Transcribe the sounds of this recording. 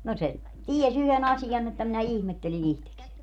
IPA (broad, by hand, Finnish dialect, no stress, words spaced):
no se ties yhen ɑsijɑn etːæ minæ ihmetːelin ihteksenʲ